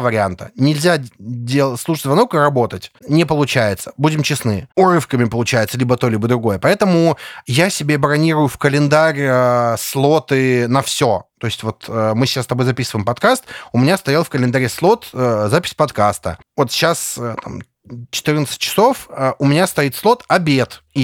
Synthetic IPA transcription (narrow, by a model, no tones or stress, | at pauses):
vəɾʲɪant̪ənʲɪlʲzʲadʲelˠəslˠuʂətʲzvɐnokɨrɐbo̞t̪ətʲnʲɪpəlˠʊt͡ɕæjɪt̪sə̥budʲɪmt͡ɕɪsnɨ̰ʊrɨfkəmʲɪpəlˠʊt͡ɕæjɪt̪səlʲibət̪o̞lʲibəd̪ɾʊɡo̞jəpɐɛt̪əmʊjasʲɪbʲe̞bɾɐnʲiɾʊjʊfkəlʲɪnd̪aɾʲəslˠo̞t̪ɨnɐfsʲot̪oɪsʲtʲvo̞t̪əmɨɕɪ̥ast̪ɐbojzɐpʲisɨvəɪmpɐt̪kast̪ʊmʲɪnʲast̪ɐjalˠfkəlʲɪnd̪ɐɾʲeslˠo̞t̪əzapʲɪ̥sʲpɐt̪kast̪ə̰ | vo̞t̪ɕːasət̪a̰m | t͡ɕɪ̥t̪ɨrnət̪sɨ̥tʲt͡ɕːɪ̥so̞fəʊmʲɪnʲast̪ɐit̪slˠo̞t̪ɐbʲet̪i